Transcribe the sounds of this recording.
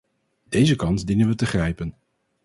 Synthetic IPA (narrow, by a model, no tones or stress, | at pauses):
d̥ejzəkɑnzdinənʋətəχrɛjpən